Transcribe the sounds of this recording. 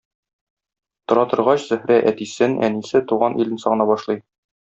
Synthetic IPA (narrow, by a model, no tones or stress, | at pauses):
t̪ŏɾɑt̪ɤ̆ɾʁɑɕzɵ̆hɾæʔæt̪isɘnæ̰nisɘt̪uʁɑnʔilɘ̆nsɒʁnɑbɒʃlˠɤj